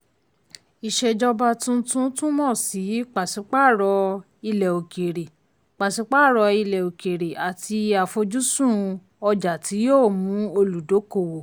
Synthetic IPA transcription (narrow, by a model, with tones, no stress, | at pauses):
i˨ʃe˧d͡ʒɔ˧ba˧tũ˦tũ˦tũ˦mɔ̃˦˨si˨˦k͡pa˨si˨˦k͡pa˦˨ɾɔ˧ | i˧lɛ˨o˨ke˨ɾe˨ | k͡pa˨sĩ˨˦k͡pa˦˨ɾɔ˧i˧lɛ˨o˨ke˨ɾe˨ʔa˨tʰi˧a˨fo˧d͡ʒu˦sũ˦˨ | ɔ˧d͡ʒa˨tʰi˨˦joː˦˨mũ˨˦o˧lu˨do˨˦ko˨wo˨